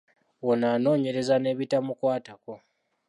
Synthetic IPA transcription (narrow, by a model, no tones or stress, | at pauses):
wonaːno̞ːɲe̞ɾe̞zane̞ːβitamukwaːtako̞